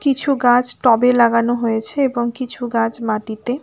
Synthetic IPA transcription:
kit͡ɕʰuɡãd͡ʑʈɔbelaɡanoɦoet͡ɕʰeebɔŋkit͡ɕʰuɡãd͡ʑmaʈit̪e

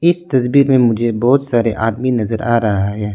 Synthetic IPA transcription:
ɪst̪ɐsbiːɾmẽmʊd͡ʒʱebɔːt̪saːɾeʔaːd̪minɐzəɾʔa̰ːɾɐɦaɦɛː

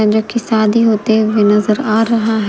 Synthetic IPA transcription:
ɛ̃d͡ʒoːkisaːd̪iːɦoːt̪eːʋinəzəɾaːɾəɦaɦ

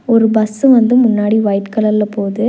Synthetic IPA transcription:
ɔɾɯbɐsɯʋɐnd̪ɯmʊnːaːɽiʋɐjtkɐlɐɾlɐpoːðɯ

